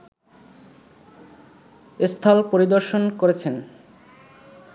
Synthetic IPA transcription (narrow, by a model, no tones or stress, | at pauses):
est̪ʰalpoɾid̪oɾʃonkoɾet͡ɕʰen